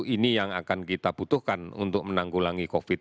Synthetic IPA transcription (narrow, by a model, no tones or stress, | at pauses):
inijaŋakankit̪ab̥ut̪ʊhkanṵnt̪ʊk̚mənaŋɡulaŋikofɪt̪̚